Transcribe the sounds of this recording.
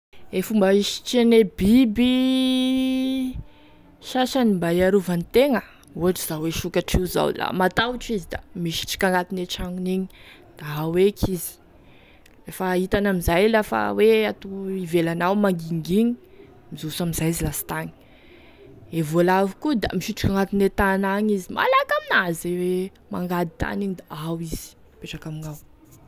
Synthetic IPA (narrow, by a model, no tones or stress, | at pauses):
efumbaiʃi̥ʈ͡ʂenebibi | ʃaʃanimbaiaɾuvanit̪eŋə | uaʈ͡ʂiz̥aweʃukaʈ͡ʂiuza̰wla̰mat̪awʈ͡ʂizid̪a̰miʃi̥ʈ͡ʂi̥kaŋɡat̪ineʈ͡ʂaŋuniɲi̥ | d̪̥aɦawekʰizi̥ | ɾefait̪anamizajlafa̰weat̪uivelanawmaŋɡiŋɡiɲi | mizusamizajzilasi̥t̪aɲi̥ | evolavikud̪a̰miʃiʈ͡ʂi̥kʲaŋɡat̪inet̪anaɲizima̰lakaminazewe | ma̰ŋɡad̪it̪a̰niɲid̪aawiz̥i̥ | peʈ͡ʂakaminaw